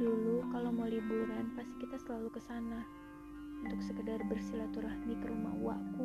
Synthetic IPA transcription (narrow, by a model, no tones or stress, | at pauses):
dulukalomolibuɾanpast̪i̥kit̪asəlalukəsana | unt̪ʊksəkədarbərsilat̪uɾahnikəɾuma̰hwa̰ku